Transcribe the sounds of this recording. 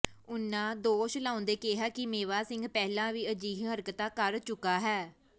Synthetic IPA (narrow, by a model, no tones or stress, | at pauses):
ʊnːãːd̪oːʃlaːʊ̃nd̪eːkeːɦaːkɪmeːʋaːsɪŋɡpɛːlãːʋiːəd͡ʒiːɦɦəɾkət̪aːkəɾt͡ʃʊkaːɦɛː